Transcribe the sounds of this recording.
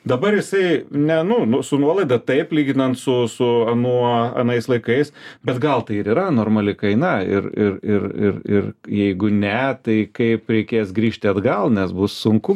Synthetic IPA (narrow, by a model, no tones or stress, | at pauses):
d̪ɐbɐɾjɪsɐɪnʲɛnʊnʊsʊnuɔlˠɐɪd̪ɐt̪ɐɪplʲiːɡʲɪnɐnt̪sʊsʊɐnuɔɐ̰nɐɪslˠɐɪkɐɪsbʲɛt̪ɡɐlˠt̪ɐɪɪɾiːɾɐnoːrmɐlʲɪkɐɪnɐɪ̰rɪrɪrɪrɪrjɛɪɡʊnʲɛt̪ɐɪkɐɪpɾʲɛɪkʲeːsɡɾʲiːʃʲt̪ʲɪɐd̪ɡɐlˠnʲɛsbʊssʊŋkʊ